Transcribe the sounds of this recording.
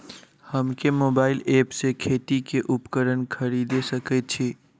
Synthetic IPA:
həmkemobaɪlepsekʰet̪ikeʔupkəɾənkʰəɾid̪esəkɛt̪̚t͡ʃʰi

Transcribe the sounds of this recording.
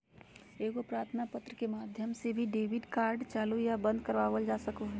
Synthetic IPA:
eːɡopɾaːɾt̪ʰnapət̪ɾəkemaːd̪ʱjəmsebʱiɖeːʋɪɖkaːɾɖt͡ʃaːlujabə̃nd̪kəɾʋaːʋəld͡ʒaːsəkoɦ

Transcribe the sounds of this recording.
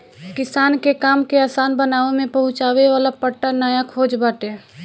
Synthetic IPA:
kɪsaːnkekaːmkeaːsaːnbənaːʋemẽpəɦʊ̃t͡ʃaːweʋaːlapəʈːanaːjakʰoːd͡ʒbaːʈeː

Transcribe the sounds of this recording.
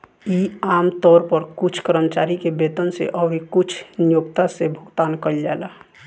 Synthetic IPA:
iaːmt̪ɔːɾpəɾkʊt͡ʃʰkəɾəmət͡ʃaːɾikebeːt̪ənsḛʔəbʱikʊt͡ʃʰnijokt̪asebʱʊɡt̪aːnkəɾd͡ʒaːla

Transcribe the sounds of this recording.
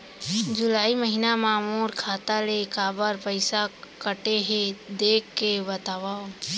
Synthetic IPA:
d͡ʒʊlaːiməɦinamãːmoːɾkʰaːt̪alekaːbəɾpəɪsakəʈeɦẽd̪eːkːebət̪aːʋa

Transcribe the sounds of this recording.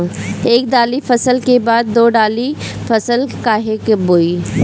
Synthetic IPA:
eːk̚ɖ̪aːlifɐsəlkebaːd̪̚ːoːɖaːli | fɐsəlkaːɦekboːiː

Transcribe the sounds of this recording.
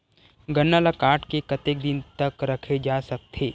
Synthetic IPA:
ɡɐnːaːlakaːʈkekɐt̪eːk̚d̪ɪnt̪ɐkɾɐkʰed͡ʒaːsɐk̚t̪ʰeː

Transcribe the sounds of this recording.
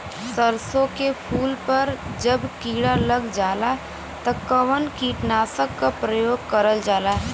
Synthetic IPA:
səɾsõkepʰuːlpɐɾd͡ʒəbkiːɽaləɡd͡ʒaːla | t̪ɐkəʋənkiːʈnaːsəkːapɾəjoːɡ̚kəɾəld͡ʒaːlaː

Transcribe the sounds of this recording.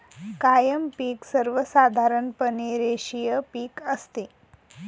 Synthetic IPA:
kajəmpiːksəɾʋəsad̪ʱaɾəɳpəneɾeʂijəpiːkəst̪e

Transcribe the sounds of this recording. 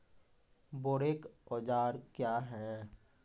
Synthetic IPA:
boːɽekɔːd͡ʒaːɾkjaːɦɛ

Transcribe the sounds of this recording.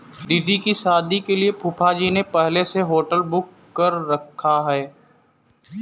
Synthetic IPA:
d̪id̪ikiʃaːd̪ikeliepʰʊpʰad͡ʒinepɛɦleseɦoːʈəlbʊkːəɾːɐkʰːaɦɛː

